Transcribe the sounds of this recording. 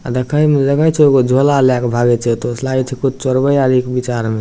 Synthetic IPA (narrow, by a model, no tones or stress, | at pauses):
a̰d̪ekʰəjmeləkət͡ʃʰɛeɡod͡ʒʱolaljakbʱaɡɛt͡ʃʰɛt̪oslait͡ʃʰɛkud͡ʒʰʱt͡ʃoɾbəjaɾikbit͡ʃaɾme